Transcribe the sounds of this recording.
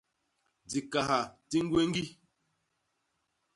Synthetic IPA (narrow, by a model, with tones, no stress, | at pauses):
d͡zi˨ka˨ha˨ti˦ŋ˦ɡwe˦ŋ˦ɡi˦